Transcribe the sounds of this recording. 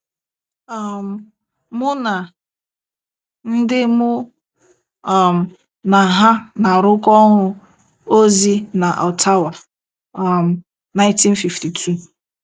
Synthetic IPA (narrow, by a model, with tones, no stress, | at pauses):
a˨m̩˨ | mʊ˦na˨ | n̩˦dɪ˦mʊ˦˨ | m̩˨ | na˨ɦa˦na˨ɾʊ˦kɔ˦ɦʊ˦ | o˦zi˦na˨ʔa˨tʰa˦wa˨ | m̩˨ | na˨˦ɪj̃nti˦n̩˦fi˨fti˨tʰu˦